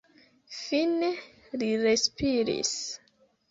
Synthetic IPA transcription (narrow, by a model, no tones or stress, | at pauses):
fine | liɾe̞spiɾḭs